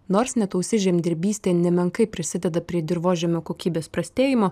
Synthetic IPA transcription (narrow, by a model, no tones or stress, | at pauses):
noːɾsnʲɛt̪ɐʊsʲɪʒʲɛːmʲd̪ʲɪɾʲbʲiːsʲt̪ʲeːnʲɛmʲɛŋkɐɪpʲɾʲɪsʲɪd̪ʲɛd̪ɐpʲɾʲiɛd̪ʲɪɾʋoːʒʲɛmʲoːkoːkʲiːbʲeːspɾɐsʲt̪ʲeːjɪmoː